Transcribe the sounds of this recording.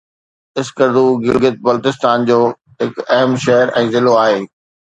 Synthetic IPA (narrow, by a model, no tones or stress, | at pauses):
ɪskəɾd̪uːɡɪlɡɪt̪̚bɐlt̪ɪst̪aːnd͡ʑoː | ɦɪkɐɦəmʃɛɦəɾʔɛ̃ːzɪloaːɦeː